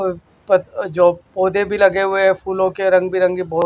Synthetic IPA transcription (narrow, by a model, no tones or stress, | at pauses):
pɐd͡ʒoːpoːd̪ebʱilɐɡeɦʊeɦɛpʰuːlõkeɾɐ̃ŋɡbʱiɾɐ̃ŋɡibɔː